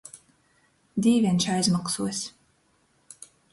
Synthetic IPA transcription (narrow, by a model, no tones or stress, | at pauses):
d̪ʲiːvʲiɛnʃajzmaksuɔsʲ